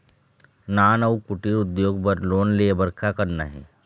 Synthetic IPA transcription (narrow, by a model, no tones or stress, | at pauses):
naːnəukʊʈiɾʊd̪joːɡpəɾloːnlebəɾkʰakəɾna̰ɦɛ̰ː